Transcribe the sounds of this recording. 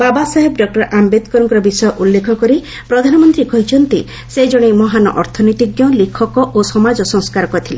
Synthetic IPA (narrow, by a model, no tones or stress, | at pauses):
babasaɦebɖɔk̚ʈɔɾʔambed̪kɔɾɔŋkɔɾɔbisɔjɔʔulːekʰɔkɔɾi | pɾɔd̪ʱanɔmɔnt̪ɾikɔɦit͡ʃʰɔnt̪i | sed͡ʒɔɽ̃emɔɦanɔ̰ʔɔɾt̪ʰɔnɔjt̪iɡjɔlikʰɔkɔʔosɔmad͡ʒɔsɔŋskaɾɔkɔt̪ʰile